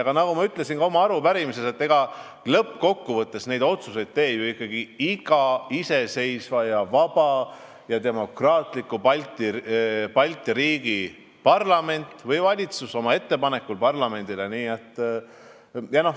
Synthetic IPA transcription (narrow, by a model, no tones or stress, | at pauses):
ɑɡ̥ɑnɑɡumɑyt̪ːˑle̞sinɡɑo̞mɑɑɾupæɾimise̞se̞t̪ːe̞ɡ̥ɑ | lɤpːko̞kːuvɤt̪ːˑe̞sne̞jd̪o̞t̪suse̞jd̪̥̚t̪e̞ːbjoikːɑɡ̥iiɡ̥ɑise̞se̞jsvɑjɑvɑb̥ɑ | jɑt̪e̞mo̞krɑːt̪ˑlikːˑupɑlʲt̪ipɑlʲt̪ːˑiɾiːɡ̥i | pɑrlɑme̞nʲt̪ːvɤjvɑlʲit̪suso̞mɑe̞t̪ːe̞pɑne̞kːˑulpɑrlɑme̞nd̪ile̞niːet̪ːˑ | jɑno